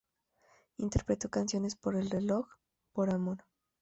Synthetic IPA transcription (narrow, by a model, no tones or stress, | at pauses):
int̪e̞ɾpɾe̞t̪o̞kansjo̞ne̞spo̞ɾe̞lre̞lok | po̞ɾamo̞ɾ